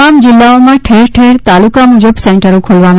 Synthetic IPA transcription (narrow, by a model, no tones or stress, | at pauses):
amd͡ʒilːaomãʈʰeɾʈʰeɾt̪alukamud͡ʒəbseɳʈəɾokʰolʋan